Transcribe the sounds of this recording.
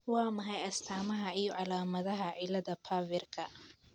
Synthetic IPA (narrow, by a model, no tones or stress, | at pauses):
wɑːmɐɦɐjɐst̪ʰaːmɐɦɐijɔʕɑlaːmɐðɐɦɐʕɪlɐðɐpʰaːvɛrkʰɐ